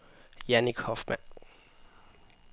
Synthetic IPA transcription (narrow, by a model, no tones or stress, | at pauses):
jæniɡ̥hɒfmæn̰